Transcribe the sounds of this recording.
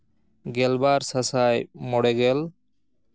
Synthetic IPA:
ɡɛlbaɾsasajmɔɽɛɡɛl

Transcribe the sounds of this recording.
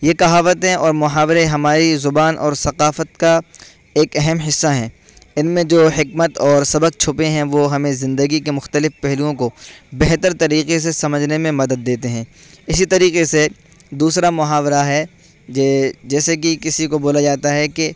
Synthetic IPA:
jekɐɦaːʋət̪ẽɔːɾmʊɦaːʋɾeɦɐmaːɾizʊbaːnʔɔ̰ːɾsɐqaːfət̪ka | eːkɛɦɛmɦɪsːaɦɛ̃ː | ɪnmẽd͡ʒoːɦɪkmət̪ɔːɾsɐbəq̚t͡ʃʰʊpẽɦɛ̃ʋoɦɐmẽzɪ̃nd̪əɡikemʊxt̪əlɪfpɛɦlijõkobɛɦt̪əɾt̪ɐɾiːqes̬esɐməd͡ʒʱnemẽmɐd̪əd̪ːeːt̪eɦɛ̃ː | ɪsit̪ɐɾiːqese | d̪uːsɾamʊɦaːʋɾaɦɛ | d͡ʒɛd͡ʒɛːsekikɪsikoboːlad͡ʒaːt̪aɦɛke

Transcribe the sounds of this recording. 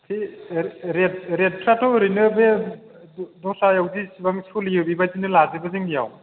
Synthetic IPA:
sʰi | ɾet̚ɾet̚pʰɾatɔɾɯjnɯbe | dɔsajawdisibaŋsuliɯbibazinɯlazibaziŋnija̰w

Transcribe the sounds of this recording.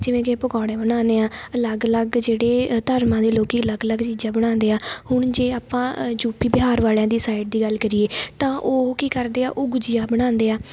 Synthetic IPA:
d͡ʒɪʋẽːkepəɡaːɽẽːbəɽ̃aːneːãːələɡələɡd͡ʒeːɽeːt̪əɾmãːd̪eːloːkiːələɡələɡt͡ʃiːd͡ʒãːbəɽ̃ãːnd̪eːaːhʊɳ̃d͡ʒeːaːpãːd͡ʒuːpiːbɪɦaːɾʋaːljãːd̪iːsaːɪʈ̚d̪iːɡəlkəɾieːt̪ãːʔoːkiːkəɾd̪eːa̰ːʔʊɡʊd͡ʒɪjaːbəɽ̃ãːnd̪eːaː

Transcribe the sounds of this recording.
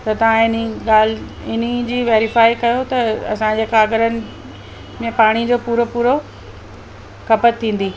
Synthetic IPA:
t̪ɐt̪ɐʋ̤ãɪniɠaːl | ɪn̤id͡ʑiːʋeːɾɪfaːikɐjot̪ɐɐ̰sãd͡ʑeːkʰaːɡəɾənɪ̆ | mẽpaːɽ̃id͡ʑoːpuːɾopuːɾo | kʰɐpət̪ʰːĩːnd̪iː

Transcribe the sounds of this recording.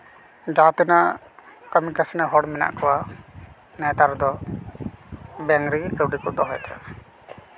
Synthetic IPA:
d͡ʒat̪inaʔ | kəmikasnɛɦɔɽmɛna̰ʔkɔwa | nɛt̪aɾd̪ɔ | bɛŋɡɾikɾɛwɖikut̪̚d̪ɔɦɔjt̪ʰɛ

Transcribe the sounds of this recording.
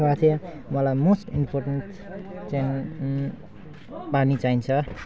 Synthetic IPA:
at̪ʰe | mʌlajmosʈinpʰorʈenʈ | t͡sajn | panit͡saint͡sʰʌ

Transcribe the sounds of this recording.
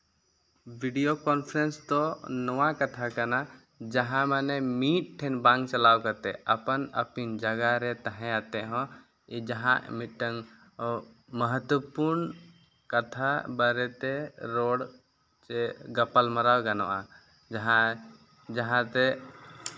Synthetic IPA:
biɖijokɔnpʰɾenst̪ɔnɔwãkət̪ʰakəna | d͡ʒəɦãmənemiʈ̚ʈʰːɛnbãŋɡt͡ʃəlawkət̪ɛəpənə̰pind͡ʒəɡaɾɛt̪əɦɛ̃at̪eɦɔ̃ | id͡ʒəɦã̰ʔmiʈːəŋ | məɦət̪wəpuɾn | kət̪ʰabəɾɛt̪eɾoɽ | t͡ʃeɡəpəlməɾawkənɔ̰ʔa | d͡ʒəɦã | d͡ʒəɦãt̪e

